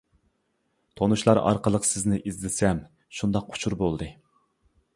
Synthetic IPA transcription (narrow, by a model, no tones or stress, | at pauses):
t̪ʰonuʃlˠɑɾɑ̰ɾqəlˠəqsɪznɪʔizlɪsɛm | ʃund̪ɑqʰːʊ̥t͡ʃʰuɾbolˠd̪ɨ